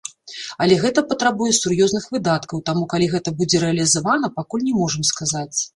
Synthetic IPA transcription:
ɐlʲɛɣɛt̪ɐpɐt̪ɾabujɛsurjɔznɨxvɨd̪at̪kɐwt̪amukalʲiɣɛt̪ɐbud͡zʲɛɾɛɐlʲizavan̪ɐpakulʲnʲɛmɔʐɐmskazat͡sʲ

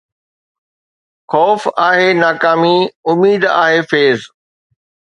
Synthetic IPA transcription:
xɔːfaːɦenaːkaːmiʊmiːd̪a̰ːɦefeːz

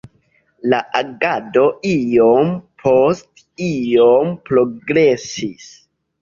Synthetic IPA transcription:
laʔaɡado̞ʔijompʰost | ijompɾo̞ɡɾesis

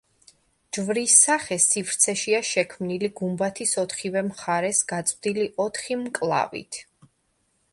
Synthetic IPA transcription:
d͡ʒvɾisaχɛsifɾt̪sʰɛʃiaʃɛkʰmniliɡumbat̪ʰisɔt̪χivɛmχaɾɛsɡ̥at̪sʼvd̪iliʔɔt̪ʰχimkʼlˠa̰vḭt̪ʰ

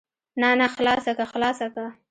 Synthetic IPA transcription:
nanaxlɑsakaxlɑsaka

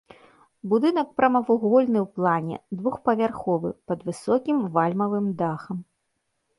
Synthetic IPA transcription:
bud̪ɨnɐkpɾɐmɐvuɣɔlʲnɨwplˠanʲɛ̰d̪vuxpɐvʲarxɔvɨ̰pɐd̪vɨsɔkʲimvalʲmɐvɨmd̪axɐm

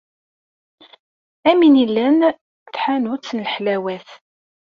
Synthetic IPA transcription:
æminilːæn | θħanut͡sːənlħlæwæθ

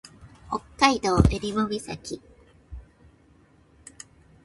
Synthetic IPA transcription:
okːaid̪oːʔeɾʲiβobisa̰kʲi

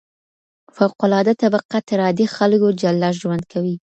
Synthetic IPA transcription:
fawqʊlɑd̪at̪abaqat̪ɪɾɑd̪ixalɡod͡ʒalːaʒwand̪kʰawi

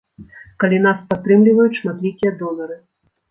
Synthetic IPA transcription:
kalʲinaspat̪ːɾɨmlʲivɐjut̪ʲʂmat̪lʲikʲijɐd̪ɔlɐɾɨ

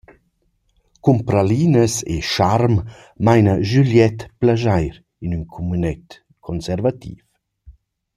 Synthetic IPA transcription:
kumpɾaliːnəsḛʃaɾm | majnəʒyljɛt̪plaʒajɾ | inynkʰɔmynɛt̪ | kʰɔnsɛɾvat̪ḭːf

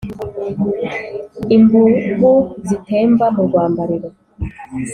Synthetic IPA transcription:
imbuɡuzitʰeːmvamuɡwaːmbaɾiɾe

